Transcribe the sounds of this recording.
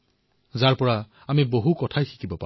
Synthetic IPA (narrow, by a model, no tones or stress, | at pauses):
zaɹpɔɹa | amiboɦukɔtʰajxi̥kibɔpa̰